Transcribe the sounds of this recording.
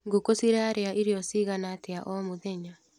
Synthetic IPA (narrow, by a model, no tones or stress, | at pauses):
ŋɡokosiɾeaɾeaʔiɾeɔsiɣanateaʔɔmoðɛɲa